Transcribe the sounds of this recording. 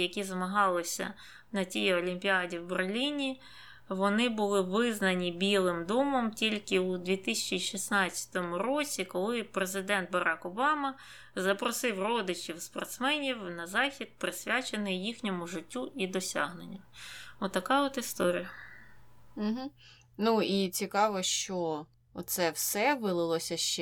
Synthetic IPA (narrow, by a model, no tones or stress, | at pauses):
jɐkʲizɐmɐɦɑlˠɪsʲɐ̰ | nɐtʲijɔlʲimʲpʲiɑdʲiwberlʲinʲi | ʋɔnɪbʊlˠɪʋɪznɐnʲibʲilˠɪmd̪ɔmɔmtʲilʲkɪud̪ʲʋʲit̪ɪsʲɐt͡ʃiʃisnɑt͡sʲːɐ̥t̪ɔmʊɾɔt͡sʲikɔlˠɪpɾezɪd̪ɛnd̪̚bɐɾɑkɔbɑmɐ | zɐpɾɔsɪwrɔd̪ɪt͡ʃʲiwspɔ̰rt̪smɛnʲiwnɐzɑxʲid̪̚pɾɪsʲʋʲat͡ʃenɪjjixnʲɔmʊʒɪtʲːuʔid̪ɔsʲɑ̰ɦnenʲːɐmɔt̪ːɐkɑɔt̪ɪst̪ɔɾʲijɐ | m̩ɦ̩ | nuit͡sʲikɑʋɔʃt͡ʃɔ | ɔt̪sɛwsɛʋɪlˠɪlˠɔsʲɐʃt͡ʃɛ